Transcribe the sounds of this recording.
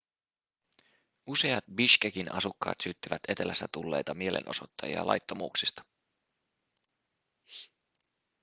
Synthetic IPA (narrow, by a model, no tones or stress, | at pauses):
use̞ɑt̪̚biʃk̟ekinɑsukːɑ̰ːt̪syːt̪ːiʋæt̪e̞t̪elæsːæt̪ulːe̞̰jt̪ɑmie̞lʔe̞̰nʔo̞so̞t̪ːɑjiɑ̰lʔɑ̰jt̪ːomuːksist̪ɑ̥